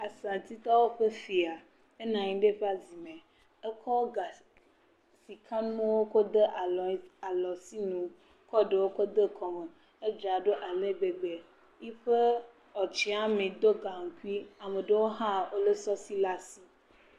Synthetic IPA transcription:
a˨sã˨t̪i˦t̪ɔ˦wo˦ɸe˦fi˨a˨ | e˦nã˨ɲĩ˦ɖe˦ɸe˦a˨zi˨mẽ˨ | e˦kʰɔ˦o˦ɡa˨ | si˨kʰã˦nũ˦e˦wo˦ko˦d̪e˦ʔa˨lɔ˨si˦nũ˨ | kɔ˦ɖe˨wo˦ko˦d̪e˦kʰɔ˨me˨ | e˦d͡ʒa˨ɖo˦ʔa˨le˦ɡ͡be˨ɡ͡be˨ | ji˦ɸe˦ | ɔ˨t͡ʃi˦a˦mẽ˨d̪o˦ɡa˨ŋ̩˨ku˦i˦a˨me˨ɖe˦wo˦ɦã˦wo˦le˦sɔ˦si˦la˦si˦

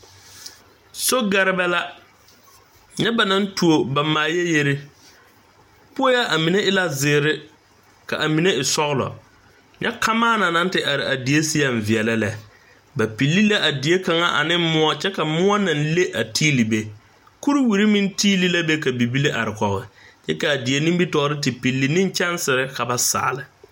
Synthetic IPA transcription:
so˦ɡa˨ɾɪ˦bɛ˦la˦ | ɲɛ˦ba˨na˦n˦tu˨o˨ba˨maː˨jɛ˦je˦ɾe˦ | pʊ˦ɔ˦ja˦ʔa˨mi˨ne˦ʔɪ˦la˦zɪː˨ɾɪ˦ | ka̰˨ʔa˨mi˨ne˦ɪ˨sɔ˦ɣlɔ̰˨ | ɲɛ̰˦kʰa˦maː˦na˨na˦n˦tɪ˦ʔa˨ɾɪ˨a˨di˨e˦si˦ja˦ɱ̩˨vɪ˨ɛ˨la˦lɛ˨ | ba˨pi˨lːi˦la˦ʔa˨di˨e˦ka˨ŋa̰˦ʔa̰˨nɪ˦mʊ˦a˦t͡ʃɛ˦ka˨mʊ˦a˦na˨nle˦ʔa˨tʰiː˦li˨be˨ | ku˦ɾi˦wi˨ɾi˦mĩ˦n˦tʰiː˦li˦la˦be˦ka˨bi˨bi˦le˦ʔa˨ɾɪ˨kɔ˨ɣɪ˨t͡ʃɛ˦ka˨a˨di˨e˨ni˦bi˦tɔː˨˦ɾɪ˦tɪ˨pi˨lːi˨nɪ̃˦n˦t͡ʃɛ˦nsɪ˨ɾɪ˦ka˨ba˨sa̰ː˨lɪ˨

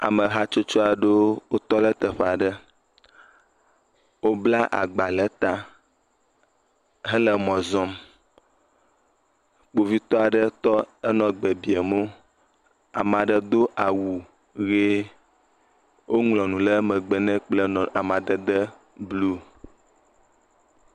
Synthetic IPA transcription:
a̰˨mə˨ɦa˦t͡ʃo˦t͡ʃo˦a˨ɖe˦wo˦t̪ɔ˦lə˦t̪ə˨ɸa˨ɖə˦ | wo˦bla˦ʔa̰˨ɡ͡ba˨lə˦t̪a˦ | ɦə˦lə˦mɔ̃˨zɔ˦m | k͡po˨vi˦t̪ɔ˦a˨ɖə˦t̪ɔ˦ɛ˦nɔ̃˨ɡ͡bɛ˨bi˨e˨mo˦ | a̰˨mã˨ɖə˦d̪o˦ʔa˨wu˨ | ɣe˦ | wʔo˦ŋlɔ̃˨nũ˨lə˦mə̃˨ɡ͡bɛ˨nɛ̃˦k͡plə˦n˨a˨mã˨d̪ə˨d̪ə˦ | blu˦

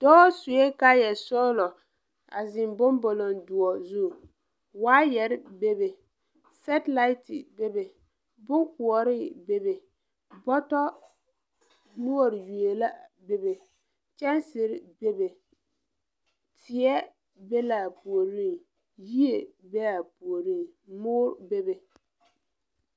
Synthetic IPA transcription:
d̥ɔ˦sʊ˨je˦ka˦jɛ˨sɔ˦lɔ˨ | a̰˨zɪ˨mbʊ˦mbo˨lo˨ndʊ˨ɔ˨zu˦˨ | waː˦jɛ˨ɾɪ˦be˦be˨ | sɛ˦tla˦ɪ˦tɪ˨be˦be˨ | bʊ˦ku˨ɔ˨ɾɪ˦be˨be˨ | bɔ˦tɔ˦ | nu˦o˨ɾɪ˨ju˨e˨la˦ | be˦be˨ | t͡ʃɛ˦nsɪ˨ɾɪ˦be˦be˨ | tʰɪ˨ɛ˦ | be˦la˨pu˨o˨ɾi˦˨ | ji˦e˨be˦la˨pu˨o˨ɾi˦˨mʊː˦ɾbe˦be˨

